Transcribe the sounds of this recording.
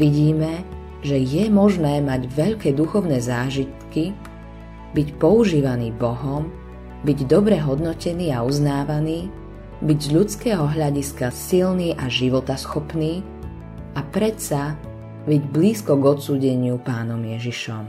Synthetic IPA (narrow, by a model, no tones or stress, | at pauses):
ʋiɟiːmɛ | ʒɛjɛmɔʒnɛːmaɟʋɛʎkɛːd̪uxɔʊnɛːzaːʒit̪ki | bicpɔuʒiːʋaniːbɔɦɔm | biɟd̪ɔbɾɛɦɔd̪nɔcɛniːauznaːʋaniː | biɟzʎut͡skɛːɦɔɦʎaɟiskasilniːʔaʒiʋɔt̪asxɔpniː | apɾɛt̪sa | biɟbliːskɔɡɔt̪suːɟɛɲɪupaːnɔmjɛʒiʃɔm